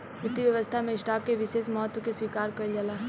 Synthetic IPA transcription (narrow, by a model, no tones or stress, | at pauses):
mɾɪt̪ːiʋjɐʋəst̪ʰamẽɪsʈaːkːeʋɪʃeːʃmɔɦət̪wəkeswiːkaːɾkɐɾd͡ʒalaː